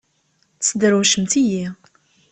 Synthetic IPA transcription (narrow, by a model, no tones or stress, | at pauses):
t͡sːd̪ɾuʃəmt̪iji